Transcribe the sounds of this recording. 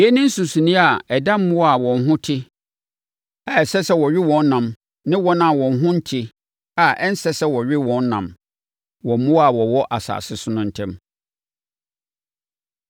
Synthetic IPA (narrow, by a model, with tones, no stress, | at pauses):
e˦nɪ̃˦n̩˦sũ˨sũ˨nĩ˦a˨ɛ˨dã˦m˦mʊ̃˦wa˨wɔ̃˨n˦ɦʊ̃˦tʰɪ˦ | a˨ɛ˨sɛ˦sɛ˦wɔ˨ɥɪ˦wɔ̃˨nː˦ã˨m | nɪ̃˦wɔ˦nã˦˨wɔ̃˨n˦ɦʊ̃˦n̩˦tʰi˦ | a˨ʔɛ˦n̩˦sɛ˦sɛ˦wɔ˨ɥᶣɪ˦wɔ̃˨˦nː˦ã̰˨m | wɔ˨m̩˦mʊ̃˦a˨wɔ˨wɔ˦ʔa˨sa̰ː˨sɪ˦sʊ˦nʊ̃˦n̩˨tʰɛ̃˦m